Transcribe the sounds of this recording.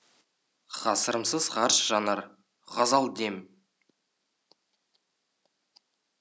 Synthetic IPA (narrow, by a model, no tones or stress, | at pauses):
χɑsəɾəmsəzχɑɾʃʒ̥ɑnɑɾ | ʁɑzɑlˠd̪em